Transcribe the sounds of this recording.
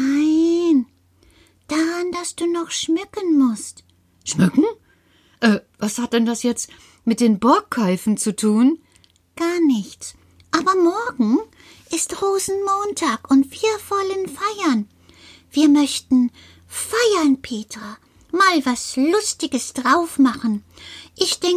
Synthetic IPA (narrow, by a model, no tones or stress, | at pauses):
aɪn | d̥aːʁand̥asd̥uːnɔχʃmʏkənmʊst | ʃmʏkŋ̩ | ʔɛːvashat̚d̥ɛndasjɛt͡st | mɪt̚d̥eːnbɔɐkʰːaʏfn̩t͡sutʰuːn | ɡ̥aːɐnɪçt͡s | ʔaːbɐmɔɐɡŋ̩ | ʔɪstʁoːzn̩moːntʰaːkʊntv̥iːɐvɔlənfaɪɐn | v̥iːɐmœçtn̩ | faɪɐnpʰeːtʁ̥aː | maːlvaslʊstɪɡəsd̥ʁaʊfmaχn̩ | ʔɪçd̥ɛŋ